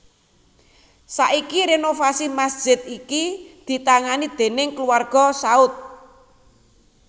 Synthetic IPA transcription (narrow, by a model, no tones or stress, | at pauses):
saʔikiɾenofasimasd̥ʒ̥ɪ̤t̪̚ikid̪̥i̤t̪aŋanid̪̥e̤nɪŋkluarɡ̥ɔ̤saʊt̪̚